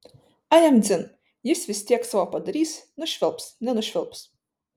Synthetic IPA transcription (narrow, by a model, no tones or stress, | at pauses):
ajamd̪zʲɨn | jisvʲisʲt̪ʲiɛksavaːpad̪aɾʲiːsnʊʃʲvʲɪlˠpsnʲɛnʊʃʲvʲɪlˠps